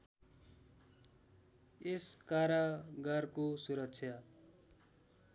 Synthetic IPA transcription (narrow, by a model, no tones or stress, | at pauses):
eskaɾaɡʌrkosuɾʌk̚t͡sʰja